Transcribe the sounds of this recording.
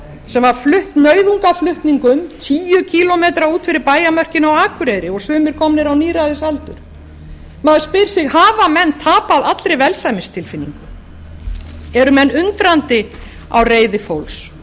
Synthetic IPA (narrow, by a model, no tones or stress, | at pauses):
sɛmvaɾ̥flʏht̪nœɥðuŋkaflʏht̪niŋkʏmt̪ʰiːjʏcʰilɔmejt̪ɾauːt̪fɪɾɪɾpaːjamœr̥cɪnawaːkʏɾejɾɪɔɣsʏːmɪɾ̥kʰɔmnɪɾawniːɾajðɪsalt̪ʏ̰ɾ̥ | maðʏspɪɾ̥sɪɣhaːvamɛnːt̪ʰaːpaðat̪lɾejvɛlsajmɪst̪ʰɪlfɪnːḭŋkʏ | ɛɾʏmɛnːʏnt̪ɾant̪ɪ | a̰wreːjðɪfowls